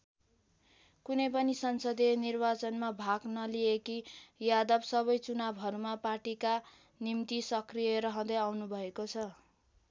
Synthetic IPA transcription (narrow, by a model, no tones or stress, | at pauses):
kunʌjpʌnisʌnsʌd̪enirbat͡sʌnmabʱaɡnʌliekijad̪ʌbsʌβʌjt͡sunabʱʌɾumapaʈika | nimt̪isʌkrijʌɾʌɦʌ̃d̪ʌjawnubʱʌekot͡sʰʌ